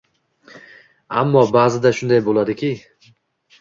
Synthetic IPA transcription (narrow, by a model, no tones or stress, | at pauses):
a̰mːɒbaːzɪd̪aʃʊnd̪ajbolˠad̪ɪkʲʰɪ